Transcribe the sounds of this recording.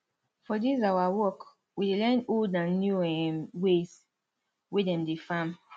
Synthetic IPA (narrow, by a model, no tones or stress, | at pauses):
fɔdizawawɔk | widelɛ̃ndoldãnːjuɛmwez | wedɛ̃mdefãm